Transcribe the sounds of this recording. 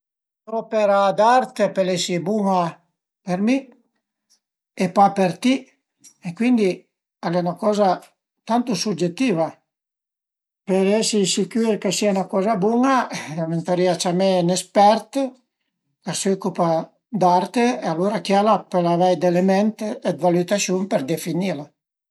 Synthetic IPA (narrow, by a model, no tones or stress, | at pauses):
pɾɔpeɾad̪aɾt̪epelɛsibuŋa | peɾmi | epapeɾt̪i | ekwind̪i | alɛnakɔːza | t̪ant̪usud͡ʒet̪ːiːva | peɾɛsisikyɾkesianakɔːzabuŋaament̪aɾiat͡ʃamenespɛɾt̪ | kasɔkupa | d̪aɾt̪eealoɾakjalapelavɛjd̪elemɛnt̪ɛd̪valut̪asjumpeɾd̪efinila